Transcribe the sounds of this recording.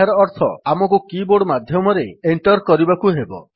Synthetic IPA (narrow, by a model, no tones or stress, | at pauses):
aɾɔːɾt̪ʰɔ̰amɔkukiboɽmad̪ʱjɔmɔɾeeɳʈɔɾkɔɾibakuɦebɔ̰